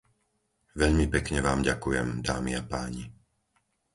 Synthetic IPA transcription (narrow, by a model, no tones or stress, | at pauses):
ʋɛʎmipɛkɲɛʋaːmɟakujɛmd̪aːmiapaːɲi